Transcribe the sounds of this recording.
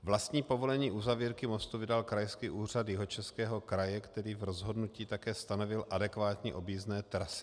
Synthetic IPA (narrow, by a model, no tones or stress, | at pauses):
vlast̪ɲiːpo̞vo̞lɛɲiːʔuzaviːɾkɪmo̞st̪uvɪdalkɾajskiːʔuːr̝at̪jɪɦo̞t͡ʃɛskɛːɦo̞kɾajɛkt̪ɛɾiːvɾozɦo̞dnuciːt̪akɛːst̪ano̞vɪlʔadɛkvaːt̪ɲiʔo̞biːznɛːt̪ɾasɪ̥